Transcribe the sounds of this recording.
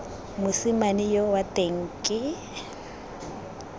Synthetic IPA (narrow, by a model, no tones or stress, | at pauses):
mʊsɪmanɪjɔwatʼeŋ̩kʼɪ